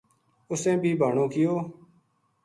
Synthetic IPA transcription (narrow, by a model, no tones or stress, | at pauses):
ʊsẽːbʱiːbʱaːɳõːkɪjoː